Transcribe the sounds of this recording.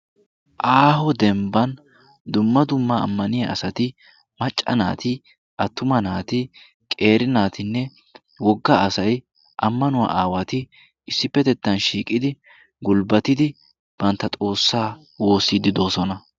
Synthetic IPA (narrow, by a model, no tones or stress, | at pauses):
ʔaːhɔd̪ɛmbɐn | d̪ʊmːɐd̪ʊmːɐ̰ːmːɐnɪjɐɐsɐt̪ɪ | mɐt͡ʃʼːɐ̰na̰ːt̪ɪ | ʔɐt̪ːʊmɐnaːt̪ɪ | kʼe̞ːɾɪnaːt̪ɪnːɛ | wɔɡːɐːsɐj | ʔɐmːɐnʊwa̰ʔaːwɐt̪ɪ | ɪsːɪpːɛt̪ɛt̪ːɐnʃiːkʼːɪd̪ɪ | ɡʊlbɐt̪ɪd̪ɪ | b̥ɐnt̪ːɐt̪ʼo̞ːsːaː | wo̞ːsːiːd̪ɪd̪o̞ːsɔnɐ